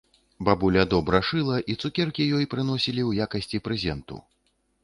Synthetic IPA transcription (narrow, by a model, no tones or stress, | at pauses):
babulʲɐd̪ɔbɾɐʂɨlˠɐʔit̪sukʲɛrkʲijɔjpɾɨn̪ɔsʲilʲiwjakɐsʲt͡sʲipɾɛzʲɛnt̪ṵ